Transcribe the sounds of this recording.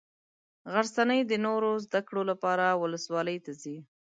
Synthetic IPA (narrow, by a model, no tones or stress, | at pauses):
ɣaɾsanəjd̪ənoɾozd̪akɽolapɑɾawʊləswɑləjt̪azi